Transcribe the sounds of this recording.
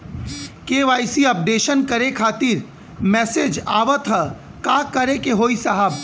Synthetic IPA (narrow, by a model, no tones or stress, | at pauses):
keːʋaːjsiɐp̚ɖeːʃənkɐɾekʰaːt̪iːɾ | mɛːsed͡ʒa̰ːʋət̪ʰɦə | kaːkɐɾekeɦoːisɐɦəb